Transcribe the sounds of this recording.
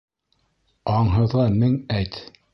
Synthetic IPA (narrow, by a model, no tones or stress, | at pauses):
ɑɴɦɤ̆ðʁɑmɘŋæjt̪